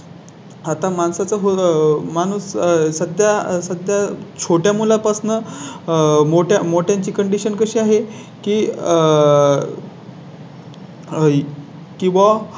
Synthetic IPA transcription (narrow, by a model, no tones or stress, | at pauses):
at̪amansat͡səɦomanuːssəd̪ʱjasəd̪ʱjat͡ɕʰoʈjamulapasnə | moʈjamoʈjaɲt͡ɕiːkəɳɖiɕənkəɕiːaɦe | kiː | kĩw̃ʋa